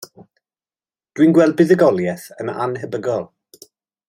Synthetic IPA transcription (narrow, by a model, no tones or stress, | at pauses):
d̥winɡwɛlˠbɪðəɡɔlˠjɛθəma̰nɦəbəɡɔlˠ